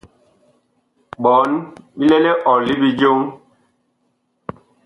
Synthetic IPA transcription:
ɓɔ˨˦nɓi˦le˦le˦ʔɔ˨li˦bi˦d͡ʒo˦ŋ

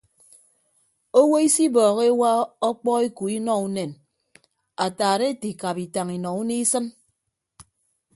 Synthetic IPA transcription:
o˦wo˦i˦si˦bɔː˨ɣe˦wa˦ɔ˦k͡pɔ˦e˦ku˨i˦nɔ˦u˦ne˨n | a˨taː˨ɾe˦ti˨ka˨pi˨ta˨ŋi˨nɔ˨u˦ni˦sɨ˦n

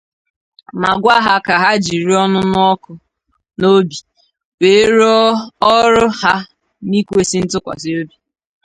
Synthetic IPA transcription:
ma˨ɡʷa˦ɦa˦ka˨ɦa˦d͡ʒi˨ɾi˦ɔ˦nʊ˦n˦ɔ˦kʊ˨ | no˦bi˨ | we˨˦ɾɔ˦ɾʊ˦ha˦ | ni˦kʷe˦sɪ˦n̩˦tʊ˦kʷa̰˨sɪ˦o˦bi˨

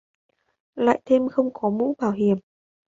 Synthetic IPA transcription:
la̰ː˧˨jt̪ʰe˧mxə˧wŋ͡mkɔ˨˦mṵ˧˥ɓaː˧˩wɦi˨˩əm

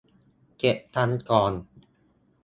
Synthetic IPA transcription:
ke˨˩p̚t̪ʰa˦˥nkɔː˨˩n

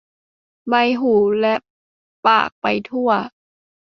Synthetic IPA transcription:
ba˧jɦuː˩˦lɛ˦˥ʔ | pa̰ː˨˩k̚pa˧jt̪ʰu˥˩ɐ

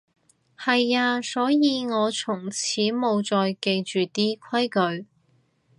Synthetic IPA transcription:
hɐ˨jaː˧sɔː˨˥jiː˨˧ŋɔː˨˧t͡sʰʊ˨˩ŋt͡sʰiː˨˥mo˨˧wt͡sɔː˧jke˧jt͡ʃyː˨˩t̪iː˥kʰɐ˥jkɵ˨˧ɥ

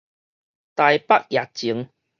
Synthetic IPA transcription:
t̪a˨˧jpa˦˥k̚ja˨˩t̚t͡ɕi˨˦ŋ

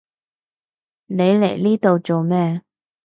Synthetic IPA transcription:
ne˨˧jle˨˩jliː˥t̪o˨wt͡so˨wmɛː˥

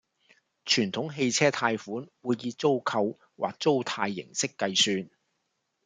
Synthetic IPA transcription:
t͡ʃʰyː˨˩nt̪ʰʊ˨˥ŋɦe˧jt͡sʰɛː˥t̪ʰaː˧jfuː˨˥nwuː˧jːiː˧t͡so˥wkʰɐ˧w | wʔa̰ː˨k̚t͡so˥wt̪ʰaː˧jːɪ̰˨˩ŋsɪ˥kːɐ˧jsyː˧n

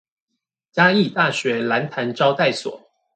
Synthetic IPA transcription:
t͡ɕja˥i˥˧˨t̪a˥˨˩ɕɥɛ˨˥la˧˦nt̪ʰa˧˦nʈ͡ʂɑ˥ʊt̪a˥˨ɪswɔ̰˨˩˦

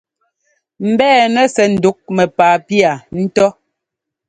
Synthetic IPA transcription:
m̩˨bɛː˦˨nɛ˦sɛ˨n̩˨du˨˦k̚mɛ˨paː˨pi˦a˨n̩˦tɔ˦

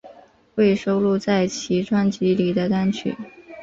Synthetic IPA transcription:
xwe˥˩ɪʂo˥ʊlu˥˧t͡sa˥˩ɪt͡ɕʰi˧˥ʈ͡ʂʰwa˥nt͡ɕi˧˥li˨˩d̪ə˦t̪a˥nt͡ɕʰy̰˨˩˦

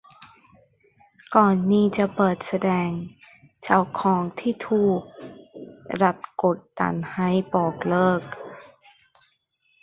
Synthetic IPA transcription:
kɔː˨˩nːiː˥˩t͡ɕa˨˩pɤː˨˩t̪̚sa˧dɛː˧ŋ | t͡ɕa˧˩wkʰɔː˨˩˦ŋt̪ʰiː˥˩t̪ʰuː˨˩k̚ | ɾa˧˦˩t̪̚ko˨˩t̪̚ːa̰˨˦nha˧˥˩jbɔː˨˩k̚lɤː˥˩k̚

